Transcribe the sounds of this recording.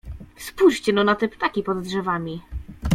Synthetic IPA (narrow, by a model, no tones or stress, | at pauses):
spuɕt͡ɕɛnɔnat̪ɛpt̪akʲipɔd̪ːʐɛvamʲi